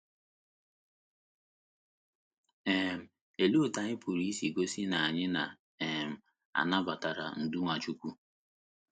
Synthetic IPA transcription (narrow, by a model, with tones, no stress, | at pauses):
ɛ˨m̩˨ | e˨lu˦˨ta˨ɲɪ˦pu˨ɾi˦si˨ɡo˦si˦na˨a˨ɲɪ˦na˨ | ɛ˨m̩˨ | a̰˨na˦ba˨ta˨ɾa̰˨n̩˨du˦ŋʷa˨t͡ʃu˦kʷu˦